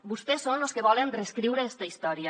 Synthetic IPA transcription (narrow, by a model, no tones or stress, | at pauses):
bust̪ɛsːonloskeβ̞ɔlenreskɾiwɾeɛst̪ɐist̪ɔɾiə